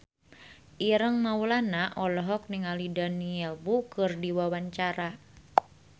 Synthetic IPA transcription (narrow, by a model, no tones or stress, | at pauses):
ʔiɾəŋmaulanaʔɔlɔɦɔk̚niŋalidaniɛlbukɨrdiwawaɲt͡ʃaɾa